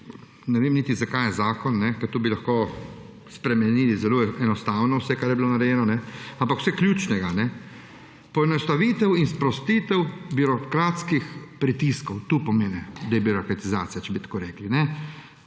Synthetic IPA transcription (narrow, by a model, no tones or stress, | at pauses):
nɛʋeːmnit̪izakaːjɛzaːkɔnːɛkɐt̪uːbilaxkoː | spɾɛmɛniːlizɛloɛnɔst̪aːwnɔwsɛkaɾjɛbilonaɾɛjɛːnɔnɛampakw̥sɛklʲjuːt͡ʃnɛɡanɛ | pɔɛnɔst̪aʋit̪ɛwinspɾɔst̪iːt̪ɛwbiɾɔkɾaːt̪skixpɾit̪iskɔwt̪uːpɔmeːnɛd̪ɛbiɾɔkɾat̪iza̰ːt̪sijat͡ʃɛbit̪ḁkoːɾɛːklinɛ